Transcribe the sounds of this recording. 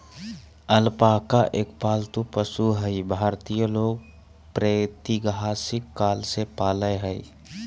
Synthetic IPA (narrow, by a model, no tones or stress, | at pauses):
əlpaːkaʔeːkpaːlt̪upəsuɦəibʱaːɾt̪ijəloːɡ̚ | pɾet̪iɡɦasɪkːaːlsepaːləjɦəḭ